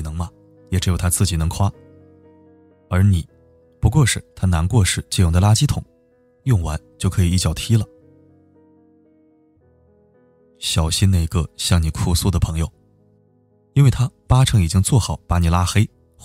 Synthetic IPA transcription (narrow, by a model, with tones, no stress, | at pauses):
nɤ˧˥ŋmɐ˧ | jɛ˨˩ʈ͡ʂɻ̩˧˥jo˨˩ʊt̪ʰa˥t͡sɹ̩˥˩t͡ɕi˨˩nɤ˧˥ŋkʰwa˥ | ə˞˧˥ni˨˩˦ | pu˧˥kwɔ˥˧ʂɻ̩˥˧t̪ʰa˥na˧˥nkwɔ˥˧ʂɻ̩˥˧t͡ɕi˥˧jʊ˨˩ŋd̪ə˩˧la˥t͡ɕi˥t̪ʰʊ̰˨˩˦ŋ | jʊ˥˩ŋwa˧˥nt͡ɕjo˥˩ʊkʰɤ˧˥i˨˩i˥˩t͡ɕjɑ˨˩ʊt̪ʰi˥lə˨ | ɕjɑ˨˩ʊɕi˥na˥˩˧ɡə˧ɕjɑ˥˩ŋni˨˩kʰu˥˩su˥˩d̪ə˩pʰɤ˧˥ŋjo˧ʊ | i˥nwe˥˩ɪt̪ʰa˥pa˥ʈ͡ʂʰɤ˧˥ŋi˨˩t͡ɕi˥ŋt͡swɔ˥˩xɑ˨˩˦ʊpa˧˥ni˨˩la˥xe˥ɪ